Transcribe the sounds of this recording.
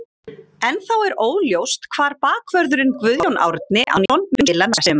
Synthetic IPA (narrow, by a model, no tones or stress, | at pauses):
ɛnθawɛɾoːwljowst̪kʰv̥aːɾpaːkʰvœɾðʏɾɪnkvʏðjowna̰ːwɾɪt̪nɪʔa̰nɔwnmɪnlanasɛm